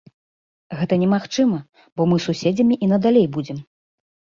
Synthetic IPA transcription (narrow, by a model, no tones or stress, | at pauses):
ɣɛt̪ɐnʲɛmaxt͡ʂɨmɐ | bɔmɨsusʲed͡zʲɐmʲiʔin̪ɐd̪alʲejbud͡zʲɛm